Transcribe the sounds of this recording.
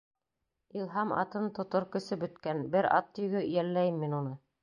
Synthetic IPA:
ilˠɦɑmɑ̰t̪ɤnt̪ŏt̪oɾkɵ̆sɘbɵ̆t̪kænbɘɾɑ̰t̪ːɵ̆jɡɵjælːæjɘmːinunɤ

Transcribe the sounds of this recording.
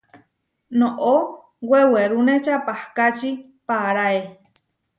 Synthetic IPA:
nõʔo | weweɾunet͡ʃapahkat͡ʃi | paɾae

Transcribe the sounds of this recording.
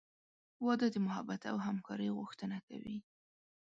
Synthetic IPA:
wɑd̪əd̪əmʊɦabat̪a̰wɦamkɑɾəjɣʊxt̪ənaka̰wi

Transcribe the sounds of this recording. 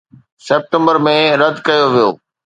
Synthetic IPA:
seːp̚ʈə̃mbəɾmẽɾɐd̪ʱkɐjoʋijo̰ː

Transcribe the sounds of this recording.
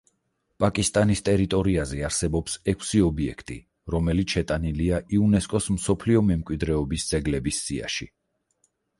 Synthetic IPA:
pʼakʼist̪ʼanist̪ʼɛɾit̪ʼɔɾiazɛaɾsɛbɔpsɛkʰsiɔbiɛ̰kʰt̪ʼḭ | ɾɔmɛlit̪ʰʃɛt̪ʼaniliaʔiunɛskʼɔsmsɔpʰliɔmɛmkʼwid̪ɾɛɔbisd̪z̥ɛɡlɛbisːia̰ʃi

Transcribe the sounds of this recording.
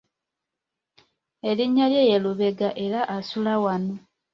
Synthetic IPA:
e̞liɲːaljejeluβe̞ɡaʔe̞ɾaʔasulawano

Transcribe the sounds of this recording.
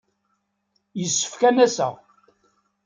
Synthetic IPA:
jəsːə̥fkænæsə̰ʁ

